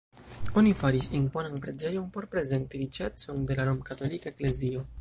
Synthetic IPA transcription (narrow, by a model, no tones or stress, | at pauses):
o̞nifaɾisinpo̞nanpɾe̞d͡ʒe̞jo̞npo̞ɾpɾe̞ze̞ntiɾit͡ʃe̞t͡so̞nde̞laɾomkato̞likaekle̞zio̞